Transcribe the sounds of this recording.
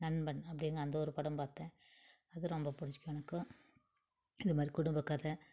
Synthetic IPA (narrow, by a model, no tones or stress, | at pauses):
nɐnːbɐɳːɐpːɐɽɪnɡɐnd̪ɐɔɾɯpɐɽɐmpaːɾt̪ẽː | ɐðɯɾɔmbɐpʊɽɪt͡ʃːɪ̥kːɐnɐkːɯ̃ | ɪðɯmaːd̪ɾikʊɽʊmbɐkːaːðɐ